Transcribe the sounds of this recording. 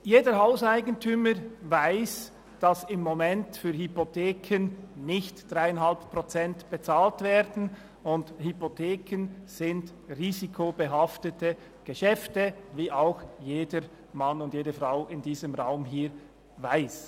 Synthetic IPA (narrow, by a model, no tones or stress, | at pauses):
jeːdəɾhaʊsaɪɡən̩tʰyːməɾvaɪs | d̥ɑsɪmːomɛntfyːɐhypotʰeːkʰənnɪçtd̥ʁaɪənɦalppʁ̥ot͡sɛntb̥et͡saːltvɛːɾdn̩ | ʊndhypotʰeːkʰənz̥ɪnd | riːzikʰobəɦɑftətə | ɡ̥əʃɛftəviːʔaʊxjeːdəɾ | manʊndtjeːdəfraʊʔɪndiːzəmʁaʊmɦiːɾ | vaɪs